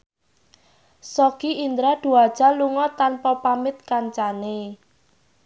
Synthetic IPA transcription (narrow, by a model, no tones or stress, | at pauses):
sɔkiind̪ɾad̪̥uad̥ʒ̥a̤luŋɔt̪anpɔpamɪt̪̚kaɲt͡ʃane